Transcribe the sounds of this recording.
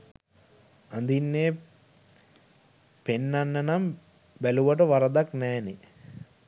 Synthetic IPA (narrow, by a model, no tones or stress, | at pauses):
and̪inːeː | penːanːənam | bæluʋəʈəʋaɾəd̪aknɛːne